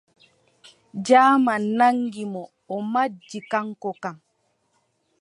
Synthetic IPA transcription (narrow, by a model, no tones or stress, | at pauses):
d͡ʒaːmanaŋɡimɔ | ɔmad͡ʒːikaŋkɔkam